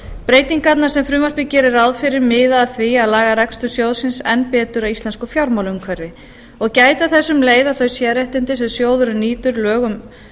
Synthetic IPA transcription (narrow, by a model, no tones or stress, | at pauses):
pɾeːjt̪iŋkat̪nasɛmfɾʏːmaspɪcɛːɾɪɾawðfɪɾɪɾmɪːðaːðθviaðlaːɣaɾɛkst̪ʏsjowðsɪnsɛ̰npɛːt̪ʏɾaist̪lɛnskʏfjawɾmawlʏmkʰvɛrːɪ | ɔɣcaːjt̪aθɛsːʏmleːjðaθœɥsjɛːɾɛht̪ɪnt̪ɪsɛmsjoːwðʏɾʏniːt̪ʏɾlœːɣʏm